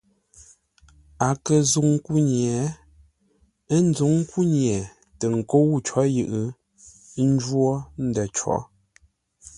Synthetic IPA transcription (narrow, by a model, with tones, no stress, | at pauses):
a˨kə˨zu˨ŋ˦ku˦ɲjɛ˨ | ə˦n̩˦d͡zu˨˦ŋ̩˦ku˦ɲjɛ˨ | tə˨ŋ̩˨ko˦wu˦˨t͡ʃɔ˨˦jɨ˨ʔɨ˦ | n̩˦d͡ʒwɔ˦n̩˦dɛ˨t͡ʃɔ̰˨˦